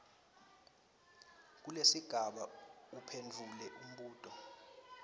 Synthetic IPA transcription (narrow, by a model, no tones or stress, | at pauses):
k̬ulesiɡ̥ʱaɓaupʰend͡vʱulɛʔum̩ɓuːtʼɔ